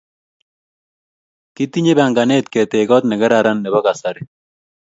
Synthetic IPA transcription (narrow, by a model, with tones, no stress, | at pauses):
ki˦t̪i˦ɲe˦ba˨ŋɡa˨ne˦t̪kɛ˨t̪e˨ɡɔ˦t̪nɛ˨ɡɛ˦ɾaɾa˦nːɛ˨ba˦ka˨sa˨ɾi˨